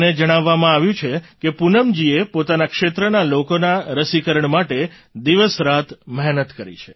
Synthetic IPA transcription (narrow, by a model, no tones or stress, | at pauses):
ned͡ʒəɽ̃aʋːamãaʋjũt͡ʃʰekepunəmd͡ʒiepot̪anakʂet̪ɾənalokonaɾəsikəɾəɳmaʈe | d̪iʋəsɾat̪mɛɦnət̪kəɾḭt͡ʃʰe̥